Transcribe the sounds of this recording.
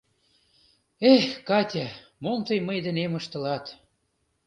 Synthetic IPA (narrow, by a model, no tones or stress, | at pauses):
exkɑt̪ʲæmomt̪əjməjd̪ə̆neməʃt̪ə̆lɑt̪